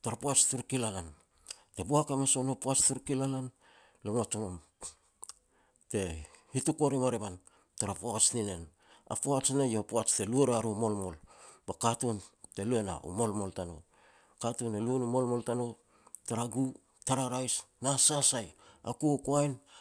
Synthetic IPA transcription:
taɾapuat͡ʃtuɾkilalan | te̞buakamaso̞nopuat͡ʃtuɾkilalan | lomat͡ʃomom | te̞hitukoɾimaɾeban | taɾapoat͡ʃnine̞n | a̰poat͡ʃnejopoat͡ʃte̞lueɾeaɾumo̞lmo̞lbakatunte̞lue̞na̰ṵmo̞lmo̞ltano̰ | katunelunumolmo̞ltano | taɾaɡu | taɾaɾajsnasasaja̰kukoajn

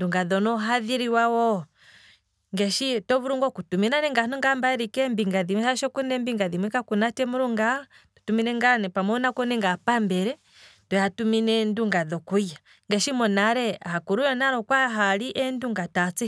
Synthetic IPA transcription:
nduŋɡaðɔnɔɦaðiɾiwawɔ | ŋɡɛʃitɔβuɾuŋɡɔkutuminanɛŋɡanɔŋɡambaɛɾikɛmbiŋɡaðimihaʃɔkunɛmbiŋɡaðimwikakunatɛmuɾuŋɡatu̥tuminɛŋɡanɛpamɔnakɔnɛŋɡapambɛɾɛ | tɔjatuminɛnduŋɡaðɔkuja | ŋɡɛʃimɔnaɾɛahakuɾujɛnaɾɔkwaɦaliʔɛnduŋɡatat͡si

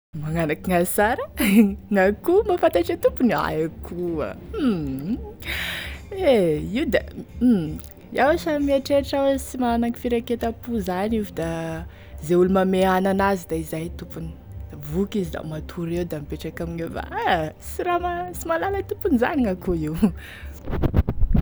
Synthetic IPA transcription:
maŋanakiŋasaɾəŋakumafant̪aʈ͡ʂet̪upuna̰jakʰua̰ | eiud̪a̰ | awsamiaʈ͡ʂeʈ͡ʂawsimaanaki̥fiɾaket̪apuzanivid̪a | zeulumameananazid̪aizajt̪upuni̥ | d̪̥avukizid̪a̰mat̪ʰuɾewd̪amipeʈ͡ʂakaminefa̰asiɾamasimalalat̪upuniza̰niŋakuiw

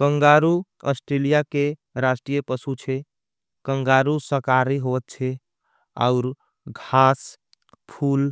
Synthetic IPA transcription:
kəŋɡaɾuə̰sʈɾelijakeɾasʈɾijəpəsut͡ʃʰɛ | kəŋɡaɾusəkaɾiɦot̪̚t͡ʃʰɛ | a̰ʊɾ | ɡʱas | pʰul

